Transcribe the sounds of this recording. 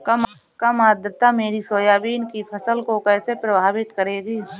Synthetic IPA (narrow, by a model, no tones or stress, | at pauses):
kɐm | kamaːd̪ɾət̪ameːɾisoːjaːbiːnkipʰɐsəlkokɛːsepɾɐbʱaːbɪt̪kəɾeːɡiː